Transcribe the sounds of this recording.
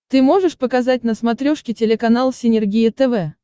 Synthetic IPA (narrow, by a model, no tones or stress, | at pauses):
t̪ɨmo̞ʐɨʂpəkɐzat̚ʲnəsmɐt̪ɾʲoʂkʲɪtʲɪlʲɪkɐnalˠsʲɪnʲɪrɡʲijɪt̪ɛvɛ